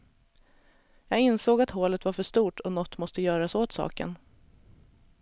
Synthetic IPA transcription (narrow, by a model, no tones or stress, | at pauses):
jɑːɡɪnsoːɡat̪hoːlət̪vaɾfœʂt̪uːʈʰɔnɔt̪ːmɔst̪əjœːɾasoːt̪sɑ̰ːkə̰n